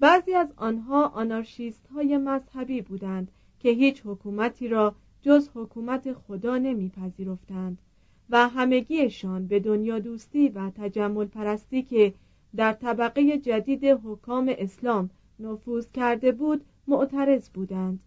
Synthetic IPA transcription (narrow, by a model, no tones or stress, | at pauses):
b̥æːziːæzɒːnɦɒːʔɒnɑɾʃiːst̪hɒːje̞mæzhæbiːbuːd̪ænd̪̥ | cʰe̞ɦiːt͡ʃhokʰuːmæt̪ʰiːɾɒː | d͡ʒozhokʰuːmæt̪ʰe̞xod̪ɒːne̞miːpʰæziːɾo̞ft̪ænd̪̥ | væɦæme̞ɡiːeʃɒːnbe̞d̪o̞njɒːd̪uːst̪iːvæt̪ʰæd͡ʒæmːo̞lpʰæɾæst̪iːkʰe̞ | d̪æɾt̪ʰæbæɣeje̞d͡ʒæd̪iːd̪e̞ɦokʰːɒːme̞ʔeslɒːm | nofuːz̥cæɾd̪e̞buːd̪ | moʔt̪ʰæɾe̞zbuːd̪ænd̪̥